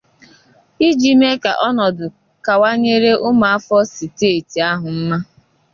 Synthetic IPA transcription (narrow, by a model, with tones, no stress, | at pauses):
i˦d͡ʒi˨˦me˦ka̰˨ʔɔ˦nɔ˨dʊ˨ | ka˨wa˦ɲe˦ɾe˦ʔʊ˦ma˨a˦fɔ˦si˨te˦˨ti˨a˦ɦʊ˨m̩˦ma˦